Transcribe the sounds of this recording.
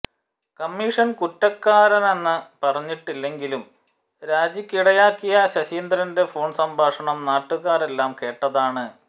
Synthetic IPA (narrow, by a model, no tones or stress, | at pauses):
kɐmːiʂɐnkutːɐkːaːɾɐnenːɨpɐrɐɲːiʈːilːe̞ŋɡilum | ɾaːd͡ʑikʲːiɽɐjaːkːijɐɕɐɕiːnd̪ɾɐnde̞fo̞ːɳsɐmbʱaːʂɐɳɐmnaːʈːuɣaːre̞lːaːmke̞ːʈːɐðaːɳɨ